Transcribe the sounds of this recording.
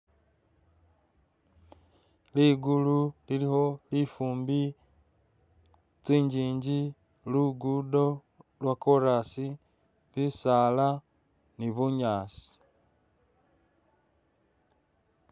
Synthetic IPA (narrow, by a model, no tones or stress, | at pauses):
liɡululiliho̞lifuːmbi | t͡siːɲɟiːɲɟi | luɡudo̞ | lwakoɾasi | βisala | niβuɲaːsi̥